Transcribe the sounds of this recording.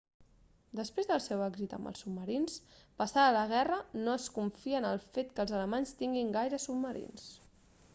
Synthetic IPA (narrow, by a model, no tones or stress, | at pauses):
d̪əspɾezðəlˠsɛwɛɡzit̪ə̰mbə̰lˠsub̚məɾinspəsaələɣ̞ɛrənoəskuɱfiənəlˠfet̪kəlˠzələmaɲst̪iŋɡiŋɡajɾəsub̚məɾḭns